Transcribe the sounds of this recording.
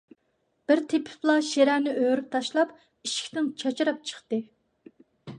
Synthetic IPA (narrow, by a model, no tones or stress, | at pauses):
b̥ɪɾt̪ʰepʰɪ̥plˠɑʃeɾænɪʔøwɾyp̚t̪ʰɑʃlˠɑp | iʃi̥kʲt̪ɪnt͡ʃʰɑt͡ʃiɾɑp̚t͡ʃʰə̥χt̪ɨ